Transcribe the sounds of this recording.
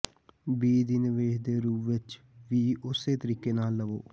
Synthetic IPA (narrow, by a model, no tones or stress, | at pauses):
biːd̪iːnɪʋeːʃd̪eːɾuːpʋɪt͡ʃ | ʋiːʊseːt̪əɾiːkeːnaːlːəʋo̰ː